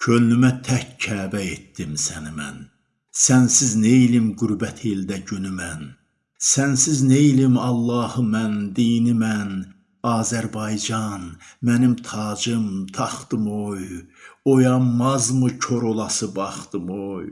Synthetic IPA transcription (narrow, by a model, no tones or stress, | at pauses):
cʰølnymæt̪ʰæccʰæːbæet̪ːimsænimæ̰n | sænsiznejilimɡuɾbæt̪ʰeld̪æɟynymæn | sænsiznejilimɑlˠːɑːhɯmænd̪iːnimæn | ɑːzæɾbɑjd͡ʒɑnmænimt̪ʰɑːd͡ʒɯmt̪ʰɑχt̪ɯmojojɑmɑzmɯcʰoɾolˠɑsɯbɑχt̪ɯmoj